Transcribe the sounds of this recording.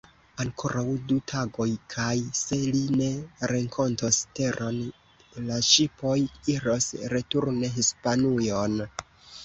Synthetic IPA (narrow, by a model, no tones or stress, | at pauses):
aŋkʰo̞ɾʔawdutʰaɡo̞jkʰajse̞line̞ɾe̞ŋkʰontoste̞ɾʔo̞n | laʃipo̞jiɾosɾe̞tuɾneɦispanujon